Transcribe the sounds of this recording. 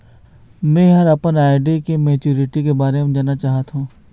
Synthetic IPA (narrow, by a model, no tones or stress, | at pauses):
mɛ̃ːɦɐɾɐpənaːɪɖekemeːt͡ʃuːɾɪʈikebaːɾemẽd͡ʒaːnat͡ʃaːɦət̪ɦũː